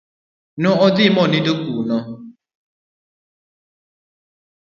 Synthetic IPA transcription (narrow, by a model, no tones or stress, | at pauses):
nʊɔdɪmɔnɪdokunɔ